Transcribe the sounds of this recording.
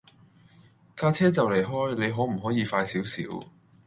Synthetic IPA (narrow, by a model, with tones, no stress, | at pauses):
kaː˧t͡sʰɛː˥t͡sɐ˨wle˨˩jɦɔː˥jne˨˧jɦɔː˨˥m̩˨˩ɦɔː˨˥jiː˨˧faː˧jsiː˨˥wsḭː˨˥w